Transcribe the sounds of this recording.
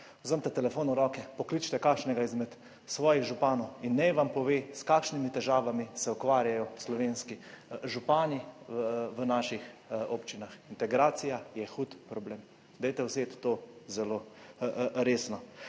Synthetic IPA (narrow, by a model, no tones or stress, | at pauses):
zəmt̪ɛt̪ɛlɛfoːnɔɾɔkɛpɔklit͡ʃt̪ɛkaːkʃnɛɡaizmɛt̪ | sʋɔːjiɣʒupaːnɔwinːɛjʋampɔʋeːskaːkʃnimit̪ɛʒaːʋamisɛukʋaːɾjajɔslɔʋeːnskiʒupaːni | ʋənaːʃixoːpt͡ʃinaxint̪ɛɡɾaːt̪sijajɛxuːt̪pɾɔbleːm | d̪ɛjt̪ɛwsʋeːt̪ːozɛlo | ɾeːsnɔ